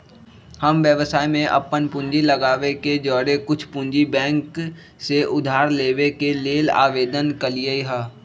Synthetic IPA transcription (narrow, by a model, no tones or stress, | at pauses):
həmʋjəʋəsaːimẽʔɐ̰pːənpʊ̃ɲd͡ʒilɐɡaːʋeked͡ʒɔːɾekʊt͡ʃʰpʊ̃nd͡ʒibɛ̃ːŋk | seʔʊd̪ʱaːɾleːʋekeleːla̰ːʋeːd̪ənkəliəiɦɛː